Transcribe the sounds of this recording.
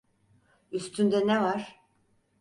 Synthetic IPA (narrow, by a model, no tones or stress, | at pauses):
yst̪ʰynd̪ɛnɛvaɾ̥